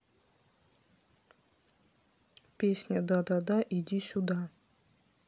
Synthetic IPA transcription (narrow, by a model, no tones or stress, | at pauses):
pʲesʲnʲad̪ɑd̪ad̪ɑʔid̪ʲisʲud̪ɑ